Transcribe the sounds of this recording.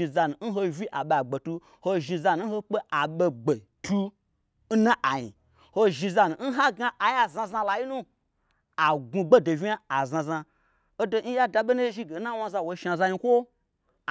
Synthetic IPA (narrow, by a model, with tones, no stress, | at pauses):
i˧za˧nu˨n̩˦ɦo˧vʲi˦ʔa˨ɓe˨a˨ɡ͡be˨tu˧ | ho˧ʒi˧za˧nu˦n̩˦ho˧k͡pe˦ʔa˨ɓe˧ɡ͡be˨ | tʰu˧ | n̩˦na˦ʔa˨jḭ˨ | ho˦˧ʒi˧za˧nu˨n̩˦ɦa˦ɡa˦ʔa˨ja˨zã˧za˧la˨ji˦nu˦ | a˨ɡu˧ɡ͡be˦do˨vi˦a˦a˨zã˧za˧ | o˦do˧˦n̩˦ja˦da˧ɓe˦na˦ʒi˦ɡe˨˦na˦wa˧za˧wo˧˦ʃa˧za˧ɲi˧kʷo˦˨